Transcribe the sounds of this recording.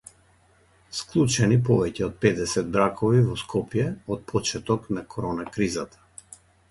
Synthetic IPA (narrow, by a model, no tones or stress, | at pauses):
sklˠut͡ʃɛnip̬ɔvɛcɛɔt̪̚pɛd̪ɛsɛd̪̚bɾakɔvivɔskʰɔpjɛɔt̪̚pʰɔt͡ʃɛt̪ɔknakʰɔɾɔnakɾizat̪ḁ